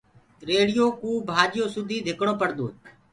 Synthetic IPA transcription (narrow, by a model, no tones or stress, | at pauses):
ɾeːɽɪjoːkuːbʱaːd͡ʒɪjoːsʊd̪ʱiːd̪ʱɪkɳɽoːpəɽd̪oː